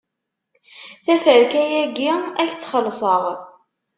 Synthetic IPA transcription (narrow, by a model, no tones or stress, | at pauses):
θæfəɾkæjæɡiæçt͡sːχəlːsˤəʁ